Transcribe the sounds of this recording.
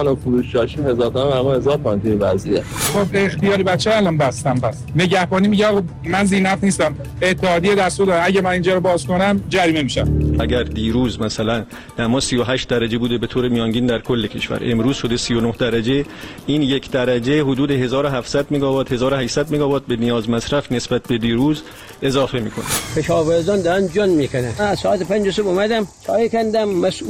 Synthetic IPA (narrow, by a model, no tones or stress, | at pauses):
nokuɾuʃt͡ʃɒːʃimhezɒːɾt̪ʰæmæmæɾmɔezɒːɾkɑint̪ʰujebæziexobext̪ijɒːɾibæt͡ʃʰːeæːlɒmbæst̪æmbæs | ne̞ɟæhbɒːnimiɟeɒːɣɑ | mænziːnæfniːst̪æm | et̪ʰːehɒːd̪ijed̪æɾst̪uːɾd̪ɒːɾæɟæmæniːnd͡ʒɒːɾobɒːzko̞næmd͡ʒæɾiːmemiʃæmʔæɟæɾd̪iːɾuːzmæsælæn | d̪̥æmɒːsijoɦæʃt̪̚d̪æɾæd͡ʒe̞buːd̪ebe̞t̪ʰoːɾemijɒːŋɟiːnd̪æɾkʰolːecʰe̞̰ʃfæ̰ɾʔe̞mɾuːz̥ʃo̞d̪esijonohd̪æɾæd͡ʒe̞ | iːnje̞kʰd̪æɾæd͡ʒeɦod̪uːd̪eɦe̞zɒːɾoɦæfsæd̪meɡɒːbɒːt̪he̞zɒːɾohæʃsæd̪̚meɡɒːbɒːt̪̚benijɒːzmæsɾæfne̞sbæt̪̚ʰbe̞d̪iːɾuːz | e̞zɒːfe̞miːkʰo̞̰næ̥pʰeʃɒːveɾzɒnd̪ɒɾænd͡ʒɒnmiːkʰonæænæsɔːæt̪epʰænd͡ʒosebumæd̪æmsʰɒːjekænd̪æmːæs